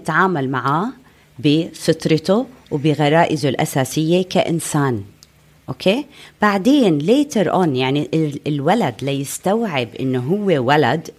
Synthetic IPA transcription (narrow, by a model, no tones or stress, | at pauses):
ɪt̪ʕaːmalmaʕaː | bɪsɨt̪ˤɾɪt̪ʊwbɪɣɑɾˤɑːʔɪzʊlʔa̰saːsɪjːekaʔɪ̰nsaːn | ʔoːkʰeːb̥aʕd̪eːnleːt̪aɾʔonjaʕniɪlwalad̪lajɪst̪awʕɪbʔɪ̰nːʊɦʊwːewalad̪